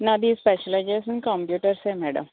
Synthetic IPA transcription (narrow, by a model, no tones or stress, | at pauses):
nad̪ispɛːʃəled͡ʒesənkaːmpjuːʈəɾsemɛːɖə̰m